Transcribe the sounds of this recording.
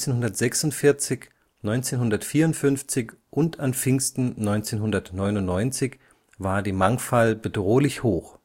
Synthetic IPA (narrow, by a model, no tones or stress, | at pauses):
t͡seːnhɦʊndɐtz̥ɛksʊntfɪɐt͡sɪç | nɔʏnt͡seːnɦʊndɐtfiːɐʊntfʏnft͡sɪçʔʊntanfɪŋstn̩nɔʏnt͡seːnɦʊndɐtnɔʏnʊnnːɔʏnt͡sɪç | vaːɐdiːmaŋfalbədʁoːlɪçhoːx